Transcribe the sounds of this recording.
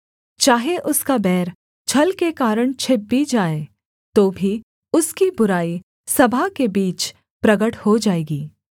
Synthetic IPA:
t͡ʃaːɦeʔʊskabɛːɾ | t͡ʃʰɐlkekaːɾəɽ̃t͡ʃʰɪbːid͡ʒaːe | t̪oːbʱi | ʊskibʊɾaːi | sɐbʱakebiːt͡ʃ | pɾɐɡəʈhod͡ʒaːeːɡiː

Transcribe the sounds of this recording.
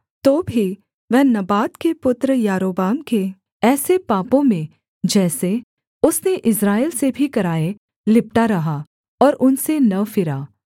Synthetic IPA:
t̪oːbʱi | ʋɛɦnɐbaːt̪kepʊt̪ɾəjaːɾoːbaːmke | ɛːsepaːpõmẽ | d͡ʒɛːse | ʊsneʔɪsɾaːelsebʱikɐɾaːe | lɪp̚ʈaɾɐɦa | ɔːɾʔʊnsenɐfɪɾaː

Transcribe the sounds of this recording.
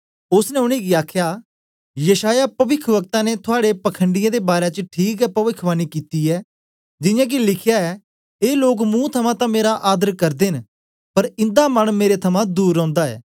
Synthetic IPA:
ʊsnɛʊɽ̃iɡiaːkʰjaː | jəʃaːjapɐʋɪkʰʋək̚t̪ãnet̪ʰʊaːɽepɐkʰə̃ɳɖɪjãːd̪ebaːɾet͡ʃəʈʰiːkɛpɐʋɪkʰːʋaːnikiːt̪iɛː | d͡ʒɪjãːk̬ilɪkʰjaɛ | eːloːkmũt̪ʰɐmãt̪ãmeːɾaʔaːd̪əɾkɐɾd̪eːn | pɐɾɪ̃nd̪amɐɽ̃meːɾet̪ʰɐmãd̪uːɾɔ̃ːnd̪aɛ̰ː

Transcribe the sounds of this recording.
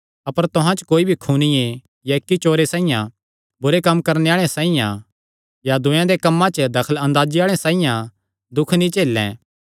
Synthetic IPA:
ɐpəɾt̪ʊɦãt͡ʃkoːibʱikʰuːnɪjẽ | jaɪkːit͡ʃoːɾesaːijã | bʊɾekɐmːkɐɾneaːɭ̃ẽsaːijã̰ | jad̪ʊ̃jãd̪ekɐmːãt͡ʃd̪ɐkʰəlɐ̃nd̪aːd͡ʒiaːɭ̃ẽsaːijã | d̪ʊkʰnĩt͡ʃeːlːɛ̰̃

